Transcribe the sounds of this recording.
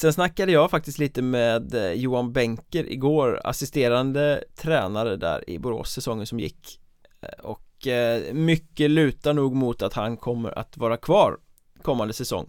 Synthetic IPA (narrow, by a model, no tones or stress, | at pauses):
sɛnsnakːad̪əjɑːfak̚t̪ɪst̪liːt̪əmeːd̪juːanbɛŋkəɾʔɪ̰ɡoːɾa̰sɪst̪eːɾand̪ət̪ʰɾɛːnaɾəd̪æ̰ːɾɪ̰bʊɾo̰ːsɛsɔŋːənsɔmjɪ̰kː | ɔk | mʏkːəlʉ̟ːt̪aɳuːɡmʊt̪at̪hankʰɔmːə̰ɾa̰t̪vɑːɾakʰvɑːɾ | kʰɔmːand̪əsɛsɔ̰ŋː